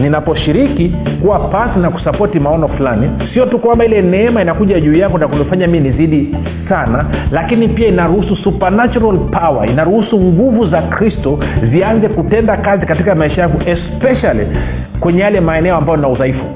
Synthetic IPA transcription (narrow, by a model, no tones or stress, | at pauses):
ninapɔʃiɾikikuwapasinaku̥sapɔtimaɔnɔfulanisiɔtukwambailɛnɛɛmainakuʄaʄuːjakɔnakulɔfaɲaminiziɗi | sanalakinipiainaɾuhususupanat͡ʃuɾalpawa̰inaɾuhusuŋɡuvuzakɾistɔzianzɛkutɛndakazikatikamaiʃajaŋɡɔʔɛspɛʃali | kwɛɲɛjalɛmaɛnɛɔambajɔnauðaifu̥